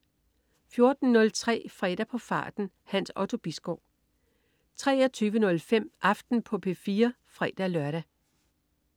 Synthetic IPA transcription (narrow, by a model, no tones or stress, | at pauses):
fjo̝ɐd̥n̩nɔ̽lt͡sʰʁɛ̰ːfʁɛːɾ̥æpʰɒ̽fɑ̈ːd̥n̩ | hænsɒt͡sʰo̝b̥isɡ̥ɒʊ | t͡sʰʁɛ̰ːɐt͡sʰyːʋənɔ̽lfem̰ʔɑ̈fd̥n̩pʰɒ̽pʰe̝fiːɐ | fʁɛːd̥ælɶɐɾ̥æ